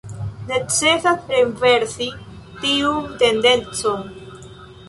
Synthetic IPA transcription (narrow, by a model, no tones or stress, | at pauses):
ne̞t͡sesaθɾeɱve̞ɾsi | tiumt̪e̞nde̞nt͡son